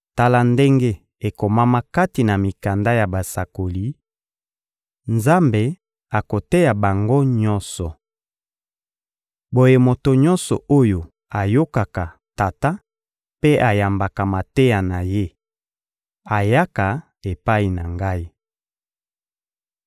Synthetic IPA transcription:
ta˦la˦nde˦ŋɡe˦ | e˨ko˨ma˦ma˦ka˦ti˨na˨mi˨ka˨nda˦ja˨ba˨sa˨ko˨li˦ | nza˦mbe˨ | a˨ko˨te˦ja˨ba˨ŋɡo˦ɲɔ˦nsɔ˨ | bo˨je˨mo˨to˨ɲɔ˦nsɔ̰˨o˦jo˨ | a˨jo˦ka˨ka˨ | ta˨ta˦ | pe˦ʔa˨ja˨mba˨ka˨ma˨te˦ja˨na˨je˦ | a˨ja˦ka˨ | e˨pa˦i˨na˨ŋɡa˦i˦

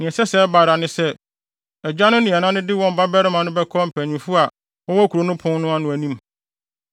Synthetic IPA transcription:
nɪ̃˨ɛ˨sɛ˦sɛ˦ba˨ɾa˨nɪ̃˦sɛ˦ | ɛ˨d͡ʑᶣa˦nʊ̃˦nɪ̃˨ɛ˨nã˦nʊ̃˦dɪ˦wɔ̃˦m˨ba˦bɛ˦ɾɪ˦mã˨nʊ̃˦bɛ˦kʰɔ˦m̩˨pʰæ˨ɲʊ̃˨fu˦a˨ | ɔ˦wɔ˦kʰu˨ɾo˨˦nʊ̃˦pʰʊ̃˦n˦nʊ̃˦a˦nʊ̃˨æ˨nĩ˦m

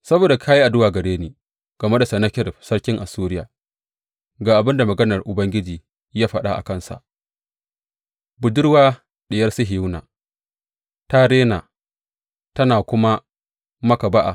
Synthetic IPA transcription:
sɐ˦boː˨da˨kʰaː˦ji˦ʔa˨dʊ˦waː˨ɡɐ˨ɽeː˦niː˨˦ | ɡ̥ɐ˨me˦da˨sɐ˨nɐ˦kʲɪ˦ɾɸsɐ˦ɽkʲɪ˦ŋʔa˨suː˦ɾɪ˦ja̰ː˨ | ɡaː˨ʔa˨bɪ˦nda˨mɐ˨ɡɐ˦nɐ˨rʔʊ˨bɐ˦ŋɡʲɪ˦d͡ʒiː˨ | jaː˦ɸɐ˦˨ɗa̰˦ʔa̰˨kɐ˦nsa̰˨ʔ | bʊ˨dʊ˦ɽwaː˦ | ɗɪ˨jɐ˦rsʊ˦ɦɪ˨ju˦na̰ː˨ | ta˦ɾeː˦naː˨ | tɐ˦naː˨kʷʊ˦ma˦ | mɐ˦ka˨ba˦ʔa̰˨

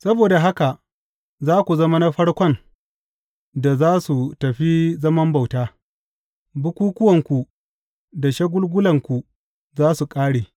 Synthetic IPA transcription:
sɐ˦boː˨da˨ɦa˦ka˨ | zaː˦kʷu˨zɐ˦ma˦na˦ɸɐ˦ɽkʷɔ˦n | da˨zaː˦su˨tɐ˨ɸi˦zɐ˦mɐ˦mba˨wtaː˦ | bʊ˦kʷuː˦kʷʊ˦wɐ˨ŋkʷu˨ | da˨ʃɐ˦ɡʷʊ˦lɡʷʊ˦lɐ˨ŋkʷu˨ | zaː˦su˨kʼaː˦ɽeː˨

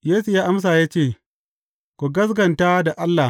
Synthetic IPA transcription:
jeː˦su˨jaː˦ʔa˦ms̬aː˨jaː˦t͡ʃeː˦˨ | kʷo˨ɡɐ˦s̬ɡɐ˨ntaː˦da˨ʔa˦lːa˨

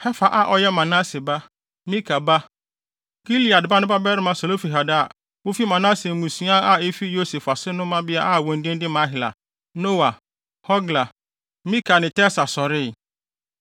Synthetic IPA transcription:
hɛ˦fa˨ʔa˦ʔɔ˨jɛ˦mã˨na˦se˨ba˦ | mĩ˦kʰa˨ba˦ | ɡ̥i˦li˨a˨dba˦nʊ̃˦ba˦bɛ˦ɾɪ˦mã˨so˨lo˦fi˨ɦa˨da˨ | wo˦fi˦mã˨na˦se˨mũ˨sĩ˦a˦a˦e˦fi˦jo˦se˨fa˨sɪ˦nʊ̃˦mã˦bɪ˦a˦ʔa˦˨wɔ̃˨n̩˦dɪ̃˦n˦dɪ˦mã˨˦ɦɪ˨la̰˨ | no˦wa˨ | hɔ˦ɡla˨ | mĩ˦ka˨nɪ̃˨tɛ˦sa˨sɔ˨ɾɪ˦˨

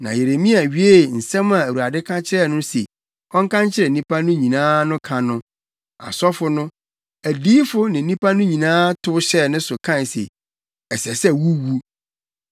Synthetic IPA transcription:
nã̰˨je˨ɾe˨mĩ˦a˨ɥi˨˦e˦˨n̩˨sɛ̃˦mã˨æ˨wu˨a˨dɪ˦kʰã˦t͡ɕʰɪ˦ɾɛ˦˨nʊ̃˦sḛ˨ | kʰɔ̃˦ŋkʰã˦ɲt͡ɕʰɪ˦ɾɛ˨˦nĩ˦pʰa˦nʊ̃˦ɲĩ˨nãː˦nʊ̃˦kʰã˨nʊ̃˦ | a̰˨sɔ˦fʊ˨nʊ̃˦ | æ˨diː˦fʊ˦nɪ̃˨˦nĩ˦pʰa˦nʊ̃˦ɲĩ˨nãː˦tʰʊ˦ʊ˦ɕɛ˦nɪ̃˦sʊ˨kʰã˦nsḛ˨ | ɛ˨sɛ˨sɛ˦wu˦wu˦

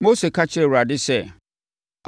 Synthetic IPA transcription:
mo˦se˨kʰa˦t͡ɕʰɪ˦ɾe˨wɾa˨dɪ˦sɛ˦˨

